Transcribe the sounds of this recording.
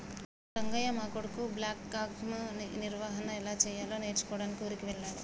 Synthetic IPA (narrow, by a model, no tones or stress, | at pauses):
ɾɐŋɡɐjɐmaːkoɽɐkublaːkːaːɡmniɾʋaɦɐnɐɛlaːt͡ʃɛːjaːloːne̞ːɾt͡ʃu̥kɔːɽaːnikiuɾikiʋɛɭːaːɾu